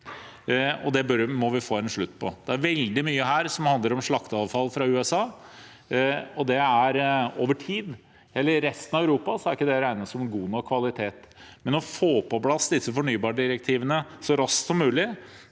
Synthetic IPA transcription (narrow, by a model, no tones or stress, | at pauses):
ɔd̪ɛbœɾmɔʋɪfoːɛnʂɭʉt̪ːpʰɔ̰d̪̥ɛæɾʋɛld̪ɪmyːəɦæːɾsɔmhɑnd̪ləɾɔmʂɭɑkt̪ɑːʋfɑlːfɾɑʉːɛsɑː | ɔd̪ɛæɾoːʋəʈʰiːd̪ | ɛlːəɾːɛst̪ənɑʋæʉɾuːpɑsɔæɾɪkːəd̪ɛɾæɪnəsɔmɡuːnɔkʰʋɑlɪt̪ʰeːt̪ | mɛnɔfoːpɔblɑsːd̪ɪsːəfɔɳyːbɑːɖɪɾək̚t̪ʰiːʋənəsɔɾɑsk̪sɔmːʉːlɪ